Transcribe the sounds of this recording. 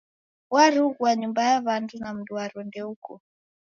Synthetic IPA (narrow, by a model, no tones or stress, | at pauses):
waɾuɣwaɲumbajaβandunam̩duaɾɔndɛukɔ